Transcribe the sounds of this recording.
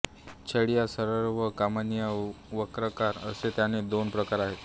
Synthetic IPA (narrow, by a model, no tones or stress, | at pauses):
t͡ɕʰəɽijasəɾəɾʋəkamənijə | ʋəkɾəkaɾəset̪janed̪onpɾəkaɾaɦe